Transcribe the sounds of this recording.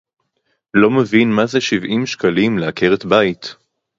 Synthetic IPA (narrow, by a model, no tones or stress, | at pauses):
lo̞mevinmazeʃivʔimʃkalimleakeʁetbait